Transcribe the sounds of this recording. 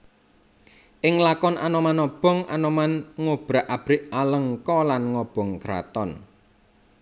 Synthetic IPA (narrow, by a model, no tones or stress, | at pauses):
ʔɪŋlakɔnanɔmanɔb̥ɔ̤ŋʔa̰nɔmanŋob̥ɾa̤ʔab̥ɾɪʔaləŋkɔlanŋɔb̥ɔ̤ŋkɾa̰t̪ɔn